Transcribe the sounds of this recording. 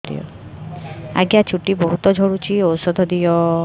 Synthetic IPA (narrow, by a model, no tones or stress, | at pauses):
d̪ḭjɔ̰ | a̰ɡjat͡ʃʰuʈibɔɦut̪ɔd͡ʒʱoɽut͡ʃʰiɔwsɔd̪ʱɔd̪ijɔ